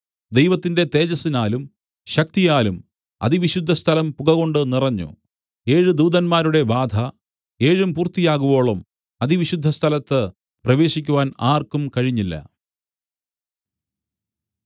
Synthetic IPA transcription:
d̪e̞jʋɐt̪ːinde̞t̪e̞ːd͡ʑɐsinaːlum | ɕɐk̚t̪ijaːlum | ɐ̰d̪iʋiɕud̪ʱːɐst̪ʰɐlɐmpuɣɐɣo̞ɳɖɨnirɐɲːṵ | e̞ːɻɨd̪uːðɐnmaːɾuɽe̞baːd̪ʱɐ | e̞ːɻumpuːrt̪ːijaːɣuʋo̞ːɭum | ɐðiʋiɕud̪ʱːɐst̪ʰɐlɐt̪ːɨ | prɐʋe̞ːɕikʲːuʋaːnaːrkumkɐɻiɲːilːɐ̰

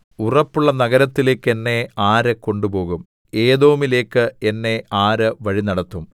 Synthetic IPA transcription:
urɐpːuɭːɐnɐɣɐɾɐt̪ːile̞ːkːe̞nːe̞aːɾɨko̞ɳɖupo̞ːɣum | e̞ːðo̞ːmile̞ːkːɨe̞nːe̞aːɾɨʋɐɻinɐɽɐt̪ːum

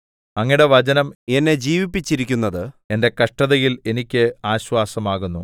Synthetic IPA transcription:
ɐŋːiɽe̞ʋɐd͡ʑɐnɐme̞nːe̞d͡ʑiːʋipːit͡ɕːiɾikʲːunːɐðɨe̞nde̞kɐʂʈɐðɐjile̞nikʲːɨaːɕwaːsɐmaːɣunːu

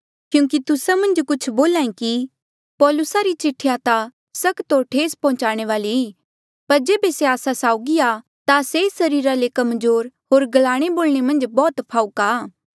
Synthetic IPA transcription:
kjũːk̬it̪ʊsamɐ̃nd͡ʒkʊt͡ʃʰboːlaːĩki | pɔːlʊsaɾit͡ʃɪʈʰːjat̪a | sɐkt̪oʈʰeːspɔ̃ɦʊ̃t͡ʃaːɽ̃eʋaːliiː | pɐɾd͡ʒeːbeseaːsasaːʊɡia | t̪asesɐɾiːɾalekɐmzoːɾɦoːɾɡɐlaːɽ̃eboːlɽ̃emɐ̃nd͡ʒbɔːt̪pʰaːukaː

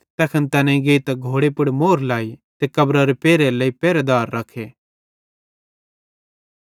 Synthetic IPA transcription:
t̪ɛːkʰənt̪ɐnɛ̃ɡeit̪ɐɡʱoːɽepʊɽmoːɾlaːit̪ekɐbɾaɾepeːɾelɐːipɛːɾed̪aːɾːɐkʰːeː

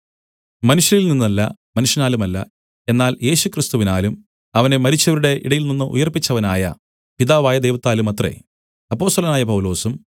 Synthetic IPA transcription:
mɐnuʂjɐnilninːɐlːɐ̰ | mɐnuʂjɐnaːlumɐlːɐ̰ | e̞nːaːlje̞ːɕukrist̪uʋinaːlum | ɐʋɐne̞mɐɾit͡ɕːɐʋɐɾuɽe̞ʔiɽɐjilninːɨʔṵjɐrpːit͡ɕːɐʋɐnaːjɐ̰ | piðaːʋaːjɐd̪ejʋɐt̪ːaːlumɐt̪rḛ | ɐpːo̞ːst̪ɐlɐnaːjɐpɐwulo̞ːsum

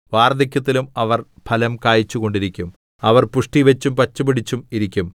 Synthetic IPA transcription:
ʋaːrd̪ikʲːɐt̪ːilumɐʋɐr | pʰɐlɐmkaːjit͡ɕːuɣo̞ɳɖiɾikʲːum | ɐʋɐrpuʂʈiʋet͡ɕːumpɐt͡ɕːubiɽit͡ɕːumiɾikʲːum

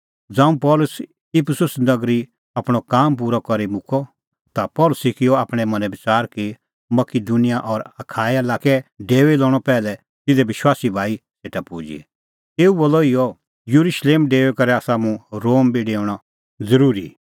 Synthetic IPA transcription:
d͡zãːũpɔːlʊs | ɪpʰsʊsnɐɡɾi | apɽ̃ɔkaːmp̬uːɾɔkɐɾimʊkʰɔ | t̪apɔːlʊsikɪjɔaːpɽ̃ɛmɐ̃nɛbɪt͡saːɾki | mɐkɪd̪unɪjaʔɔːɾɐkʰaːjalaːkɛɖeːʋɛlɔːɽ̃ɔpɛːlɛ | t̪ɪd̪ɛbɪʃwaːsibʱaːiseːʈapuːd͡ʒḭ | eːuboːlɔɪjɔ | juɾʊʃleːmɖeːʋɛkɐɾɛaːsamũɾoːmbʱiɖeːʊɽ̃a | d͡zɐɾuːɾḭ

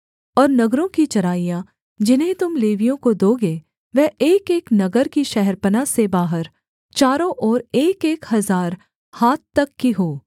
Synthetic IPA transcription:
ɔːɾnɐɡɾõkit͡ʃɐɾaːijã | d͡ʒɪnɦẽt̪ʊmleːʋijõkod̪oːɡe | ʋɛɦeːkeːknɐɡəɾkiʃɛɦɛɾpənasebaːɦəɾ | t͡ʃaːɾõʔɔːɾeːkeːkhɐzaːɾ | haːt̪̚t̪ːɐkːiɦoː

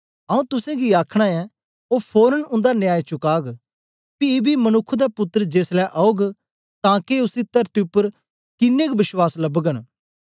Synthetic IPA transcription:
ɐũt̪ʊsẽɡiaːkʰɽ̃aɛ | oːpʰoːɾənʊ̃nd̪anjaːjt͡ʃʊkaːɡ | pibimɐnʊkʰːd̪apʊt̪ːəɾəd͡ʒeːslɛʔaːoɡ | t̪ãːkeʊsit̪ɐɾt̪iʊpːəɾ | kɪnːekbɪswaːslɐbɡən

